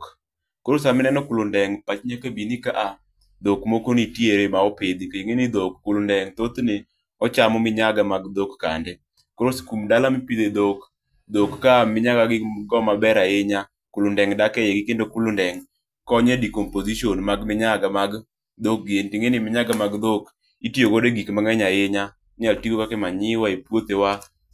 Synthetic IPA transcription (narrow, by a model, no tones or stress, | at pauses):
k | koɾos̬amɪnɛnɔkulʊndɛŋpat͡ʃɲakabinikaʔa | d̪okmokonitjeɾemaɔped̪ikaeŋenid̪okːulondɛŋt̪ot̪ne | ɔt͡ʃamɔmɪɲaɡamaɡd̪okːa̰nde | koɾoskumdalamɪpid̪ed̪ok | d̪okːamɪɲakaɡɪɡɔmabɛɾaɪɲa | kʊlʊndɛŋdakɛjeɡɪkendokulondɛŋ | kɔɲɛdikompoziʃionmaɡmɪɲaɡamaɡ | d̪ok̚ɡentiŋenimɪɲaɡamaɡd̪ok | itjokodeɡikmaŋɛɲajɪɲa | ɲaltikokakɛmaɲɪwaepwot̪ewa